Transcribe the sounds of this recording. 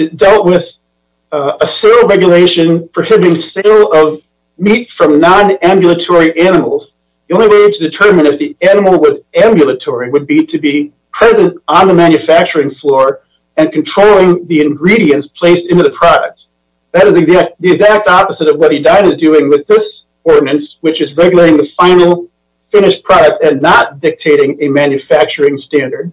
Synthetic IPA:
ɨzd̥ɛlˠt̚wɪð̥ | əseɪlˠɹɛɡjɨleɪʃɨ̃npʰɹə˞hɪbɪ̃ŋseɪlˠʌv | mitsfɹʌ̃mnɑ̃næ̃mbjɨl̩ˠətʰɔɹiʔæñəml̩ˠz̥ | ðiõʊ̃nliweɪɾʰɨdɨtʰɜ̃˞mɨ̃ñɨfðiænəml̩ˠwʌzæ̃mbjɨl̩ˠətʰɔɹiwɨd̚biɾɨbi | pʰɹ̥ɛzɨ̃ntn̩ðɨmæ̃njɨfæk̚t͡ʃə˞ɪ̃ŋflɔɹ | ɨ̃nkʰn̩tʰɹ̥oʊlˠɪ̃ŋðiɨ̃nɡɹiɾiɨ̃nspʰl̥eɪstɪ̃ntʉðɨpʰɹ̥ɑɾɨk̚t̚ | ðɨɾɨzɨæðiɨɡzæk̚tɑpəzɨɾʌvwʌt̚hidãɪ̃nɨzdʉɪ̃ŋwɨðɪs | ɔɹdⁿn̩ɨ̃nswɨt͡ʃɨzɹɛɡjl̩ˠeɪɾɪ̃ŋðɨfãɪ̃nl̩ˠ | fɪ̃nɨʃpʰɹ̥ɑɾɨk̚tɨ̃nːət̚d̥ɪk̚tʰeɪɾɪ̃ŋɨmæ̃njɨfæk̚t͡ʃə˞ɪ̃ŋstæ̃ndə˞d̥̚

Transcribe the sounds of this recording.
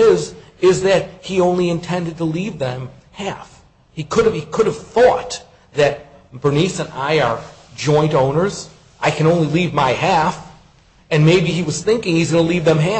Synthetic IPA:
ɪz | ɪzðɨt̚hiõʊ̃nliɨ̃ntʰɛ̃ndɨd̚təlivðɨ̃m | hæf | hikʰʊɾɨv̥ikʰʊɾɨv̥θɔt̪̚ | ðɨt̚b̥ə˞nisɨ̃na̰ɪə˞d͡ʒɔ̃ɪ̃ntõʊ̃nə˞z | ʔaɪkʰɨ̃ñõʊ̃nlilivmaɪɦæf | ɨ̃nmeɪbiiwʌz̥θɪ̃ŋkɪ̃ŋhizɡʌnəlivðɨ̃mɦæ

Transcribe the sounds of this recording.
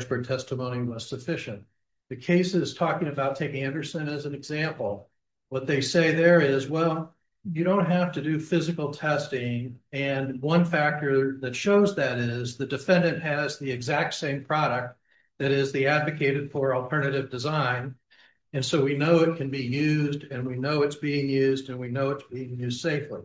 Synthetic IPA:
spɹə˞d̚tʰɛstəmõʊ̃niwʌz̥sɨfɪʃɨ̃nt̪ | ðɨkʰeɪsɪz̥tʰɔkɪ̃ŋɨbaʊtʰeɪkɪ̃ŋɛ̃ndə˞sɨ̃nɨz̃n̩ɨɡzæ̃mpl̩ˠ | wʌt̪̚ðeɪseɪðə˞ɪzwɛlˠ | jɨɾõʊ̃nt̚ɦæftɨdɨfɪzɨkl̩ˠtʰɛstɪ̃ŋɨ̃nwʌ̃nfæk̚tə˞ðɨtʃoʊzðɨɾɪzðɨdɨfɛ̃ndɨ̃nʔhɨzðiɨɡzæk̚tsẽɪ̃mpʰɹ̥ɑɾɨk̚t̪̚ | ðɨɾɪzðiædvɨkʰeɪɾɨd̥fə˞l̩ˠtʰɜ̃˞nɨɾɨvdɨzãɪ̃n | ɨ̃nsoʊwinoʊɨt̚kʰɨ̃nbijʉzdɨ̃nwinoʊɨtsb̥iɪ̃ŋjʉzdɨ̃nwinoʊɨtsb̥iɪ̃ŋjʉzd̥seɪfli

